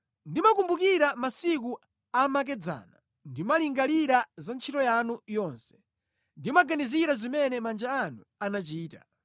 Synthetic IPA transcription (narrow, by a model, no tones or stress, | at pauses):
ndimakumbukiɾamasik̬u | amak̬ɛd͡za̰ːna | ndimaliŋɡaliɾazant͡ʃʰitɔjanujɔnsɛ̥ | ndimaɡaniziɾazimɛnɛmand͡ʒaːnu | anat͡ʃiːta̰